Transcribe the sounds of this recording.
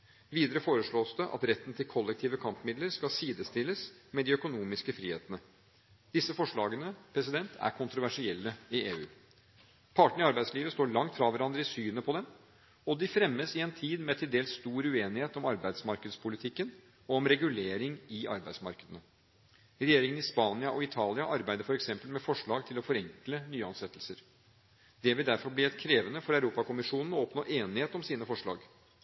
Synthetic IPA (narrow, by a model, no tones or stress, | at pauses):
ʋiːd̪əɾəfoːɾəʂɭoːsd̪ɛʔɑ̰t̪ɾɛt̪ːən̩t̪ʰɪlkʰɔlːɛk̚t̪ʰiːʋəkʰɑmpəmɪd̪ləɾskɑsiːd̪əst̪ɪlːəsmɛd̪ɪœkʊnuːmɪskəfɾḭːhḛːt̪ənə | d̪̥ɪsːəfɔʂɭɑːɡənəpʰɾɛs̬ɪd̪ɛnt̪ʰæ̰ɾkʰʊnt̪ɾʊʋæʂɪɛlːəɪeːʉː | pʰɑːʈɳ̩ɪɑɾbæɪd̪sliːʋəst̪oːɾɭɑŋt̪fɾɑʋæɾɑnd̪ɾəɪsyːnəpʰɔd̪ɛm | ɔd̪ɪfɾɛmːəsɪɛnt̪ʰiːd̪mɛt̪ʰɪld̪eːlsst̪uːɾʉeːnɪheːt̪ɔmɑɾbæɪd̪smɑɾkəd̪spʰʊlɪt̪ʰɪkːən | ɔɔmɾɛɡʉleːɾɪŋɪʔɑ̰ɾbæɪsmɑɾkəd̪ənə | ɾɛjeːɾɪŋənɪspɑːnɪɑʔɔɪt̪ʰɑːlɪɑʔɑɾbæɪd̪əɾfɔɾɛksɛmpəlmɛfɔʂɭɑːɡt̪ʰɪlɔfɔɾɛŋklənyːəɑnsɛt̪ːəl̩səɾ | d̪ɛʋɪld̪æɾfɔɾbliːæɪt̪kʰɾeːʋənəfɔɾœʉɾuːpɑkʰʊmɪʂuːnn̩ɔɔpnoːʔeːnɪheːt̪ɔmsiːnəfɔʂɭɑ̰ːɡ